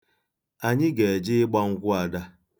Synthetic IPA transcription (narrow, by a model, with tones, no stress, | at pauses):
a˨ɲɪ˦ɡe˨e˨d͡ʒɪ˦ɪ˦ɡ͡ba˦ŋ̩˦kʷʊ˦a˨da˦